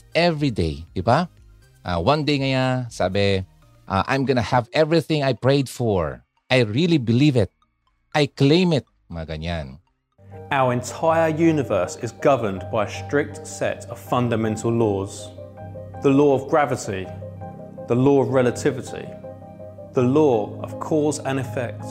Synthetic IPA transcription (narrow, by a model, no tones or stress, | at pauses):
ɛvɹidḛɪbiba | ʔa̰wʌ̃nd̪eɪŋajasabɛ | ʔaʔã̰jmɡʌnəhævɛvɹiθɪ̃ŋajpɹeɪd̪fɔɹ | ʔajɹilibɪlivɪt̪̚ | ʔajklẽɪ̃mɪt̪̚ | maɡaɲã̰n | aʊəɹɛ̃ntʰaɪəjʉːnɪvɜˑ˞sɪzɡʌvənbaɪəstɹ̥ɪk̚tsɛ̰təv̥fʌ̃ndəmɛ̃ntʰəl̩ˠlɔːz̥ | ðəlɔːəvɡɹavɪti | ðəlɔːəvɹɛlətʰɪvɪtʰḭ | ðəlɔːə̰v̥kʰɔːzə̃nɪfɛk̚t